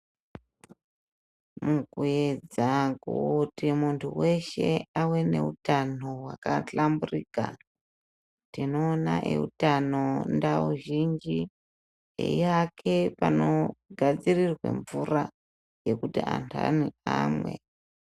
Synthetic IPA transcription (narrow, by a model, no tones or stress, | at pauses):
mukued͡zakutimuntʰuwe̞ʃe̞awe̞ne̞utan̤owakaɬamburiːka | tino̞ːnaʔeutano̞ndauʒind͡ʒi | ḛiakʰe̞pano̞ɡʱad͡zirirwe̞̰ɱvura | je̞kutiantʰa̰niamwe̞̰